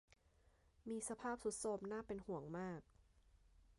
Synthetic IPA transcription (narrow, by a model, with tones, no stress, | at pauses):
miː˧sa˧pʰaː˥˩p̚su˨˦t̪̚so˧˩m̚naː˥˩pe˧nhu˨˩˦əŋmaː˥˩k̚